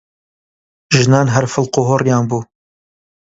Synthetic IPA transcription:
ʒɨnɑːnɦɐɾfəlˠqʊɦorjɑːnbuː

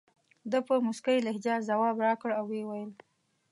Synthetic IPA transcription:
d̪əpəmʊskəjlɪhd͡ʒɑɾzawɑbɾɑkəɽawːewajəl

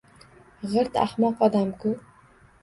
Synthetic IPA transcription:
ʁɨɾt̪ʰa̰χmɒqɒd̪amkʰʊ

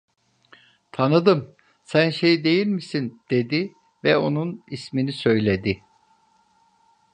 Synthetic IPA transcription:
t̪ʰanɯd̪ɯm | sænʃe̞jid̪e̞jilʲmisind̪̥e̞d̪i | vɛo̞nunisminisø̞jlʲe̞d̪ɪ

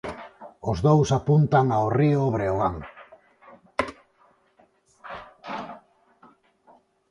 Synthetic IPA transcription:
ozðowsapunt̪aŋaorioβɾe̞oaŋ

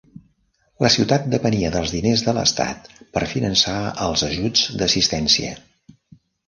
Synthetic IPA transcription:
ləsiwt̪at̪̚d̪əpəniəðəlˠzðinezðələ̰st̪a̰t̪pəɾfinənsaəlˠzəʒud͡zd̪əsist̪ɛnsiə̰

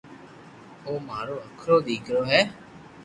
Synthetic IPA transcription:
oːmaːɾoːəkʰɾoːd̪iːkɾoːɦɛː

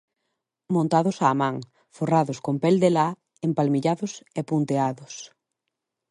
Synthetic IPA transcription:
mõnt̪aðʊsaːmãŋ | foraðʊskompeld̪ela | empalmiʎaðʊsepunt̪eaðʊs

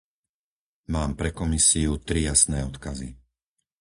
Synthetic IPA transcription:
maːmpɾɛkɔmisiut̪ɾijasnɛːɔt̪kazḭ

